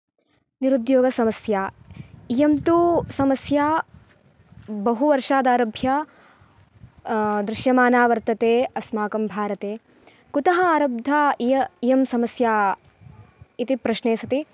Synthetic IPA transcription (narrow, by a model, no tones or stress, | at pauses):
niɾud̪joːɡɐsɐmɐsjaːijɐmt̪usɐmɐsjaː | bɐɦuʋɐɾʂaːd̪aːɾɐbʱja | d̪ɾɪʃjɐmaːnaːʋɐɾt̪ɐt̪eːɐsmaːkɐmbʱaːɾɐt̪eː | kut̪ɐɦɐaːɾɐb̚d̪ʱaijɐijɐmsɐmɐsjaː | it̪ipɾɐʃneːsɐt̪i